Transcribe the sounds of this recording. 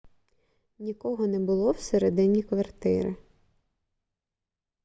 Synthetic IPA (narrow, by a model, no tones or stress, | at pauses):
nʲikɔɦɔnɛbʊlˠɔwseɾed̪ɪnʲikʋɐrt̪ɪ̰ɾɪ̰